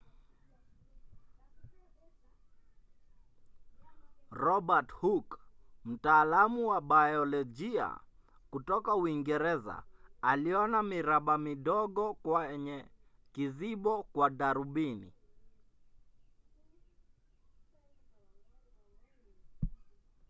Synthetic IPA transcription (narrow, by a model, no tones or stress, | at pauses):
ɾɔbathukm̩taːlamuwaɓajɔlɔd͡ʒia̰ | kutɔkauiŋɡɛɾɛza̰aliɔnamiɾaɓamiɗɔɡɔkwaɲɛ | kiziɓɔkwaɗaɾuɓinḭ